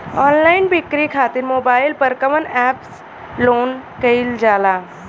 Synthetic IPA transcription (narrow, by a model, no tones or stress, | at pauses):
ɔːnlaːɪnbikɾikʰaːt̪ɪɾmoːbaːɪlpəɾkəʋənɛːps | loːnkɐild͡ʒaːlaː